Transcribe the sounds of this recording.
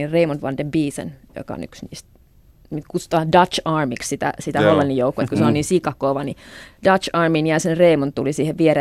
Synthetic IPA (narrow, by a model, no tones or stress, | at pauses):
ireimonʋɑ̰ndembiːsḛnjo̰kɑ̰o̰ny̰ksnḭːst̪ | mit̪kut̪su̥t̪ɑːdɑt͡ʃɑːrmikssit̪æ̰sit̪æholːenːijoukːet̪kuseonniːnsikɑkːˑoʋɑnid̥ɑt͡ʃɑːrminjæsenreimont̪ulisiːheʋʋieɾe